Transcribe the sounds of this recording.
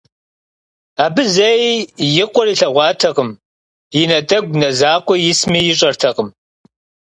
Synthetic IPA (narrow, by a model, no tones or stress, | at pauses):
aːbɨzɐjjɪqʷɔriːɬɐʁʷɑːtʰɐqəm | jɪnɐtʼɐɡʷnɐzaːqʷʼɔjɪsmiːjɪɕʼɐrtʰɐqəm